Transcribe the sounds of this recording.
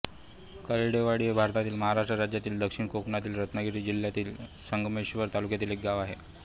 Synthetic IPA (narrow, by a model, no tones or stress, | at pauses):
kəɾiɽeʋaɽiebʱaɾt̪at̪iːlməɦaɾaʂʈɾəɾad͡ʑjat̪iːld̪əkʂiɳkokɳat̪iːlɾət̪nəɡiʈ̪iːd͡ʑil̤ːjat̪iːlsəŋɡmeɕʋəɾt̪alukjat̪iːlek̚ɡaʋaɦe